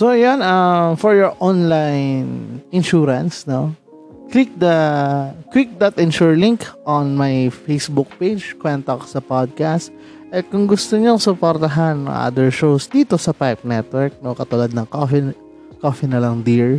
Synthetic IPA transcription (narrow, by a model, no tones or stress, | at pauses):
sojonɐmfɔɹjɔɹʔonlajnɪnʃuːɾɐnsno | klɪk̚d̪ɐ | kwɪk̚d̪ɐt̪ɪnʃuɹliŋkʔonmajfejsbuk̚pejd͡ʒkwɛnt̪oko̥sɐpad̪̚kast̪ | ʔɛkʊŋɡʊst̪oɲoŋsʊpoɾt̪ɐɦanːɐ̰ŋʔa̰d̪ɛɹʃowsd̪iːt̪osɐpajp̚nɛt̪̚wɛɹk̚nokɐt̪ʊlad̪̚nɐŋkofɪ | kofɪnɐlɐŋd̪iɹ